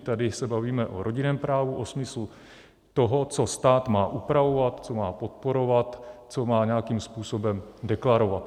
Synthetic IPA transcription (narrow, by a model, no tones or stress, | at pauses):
t̪adɪsɛbaviːmɛʔo̞ɾʔo̞ɟɪnɛːmpɾaːvuʔosmɪslu | t̪oɦo̞t͡so̞st̪aːt̪maːʔupɾavo̞vat̪t͡so̞maːpo̞t̪̚po̞ɾo̞vat̪t͡somaːɲɛakiːmspuːso̞bɛmdɛklaɾo̞vat̪